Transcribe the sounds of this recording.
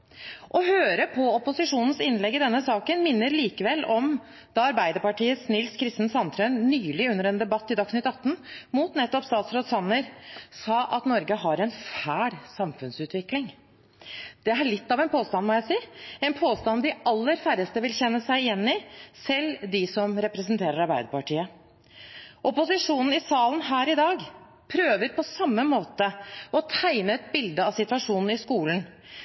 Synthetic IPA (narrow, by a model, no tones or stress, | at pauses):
ʔɔɦøːɾəpʰɔɔpʊsɪʂuːnən̩sɪnlɛɡːɪd̪ɛnːəsɑːkənmɪnːəɾliːkəʋɛlːɔm | d̪̥ɑɑɾbæɪd̪əɾpɑʈiːəsnɪlskʰɾɪst̪n̩sɑnt̪ʰɾœnnyːlɪʉnːəɾɛnd̪ɛbɑt̪ːɪd̪ɑksnɪt̪ːɑt̪ːn̩muːt̪nɛt̪ːɔpst̪ɑːt̪sɾoːd̪sɑnːəɾsɑːʔɑt̪nɔɾɡəɦɑɾɛnfæːɽsɑmfʉnsʉːt̪ʋɪklɪŋ | d̪̥ɛæɭɪt̪ːɑʋɛnpʰoːst̪ɑnmɔjæɪsiːɛnpʰoːst̪ɑnd̪ɪɑlːəɾfæɾəst̪əʋɪlçɛnːəsæɪɪjɛnːɪsɛld̪ɪsɔmɾɛpɾɛsənt̪ʰeːɾəɾɑɾbæɪd̪əpɑʈiːə | ʔɔpʊsɪʂuːnn̩ɪsɑːlən̩hæːɾɪd̪ɑːɡ | pʰɾøːʋəɾpʰɔsɑmːəmoːt̪əɔt̪ʰæɪnəɛt̪̚bɪld̪əɑsɪt̪ʉɑʂuːnn̩ɪskuːln̩